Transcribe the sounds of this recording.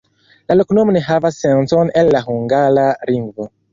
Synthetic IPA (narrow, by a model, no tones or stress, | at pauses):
laloknomoneɦavasːensonenlaɦuŋɡaɾaliŋɡvo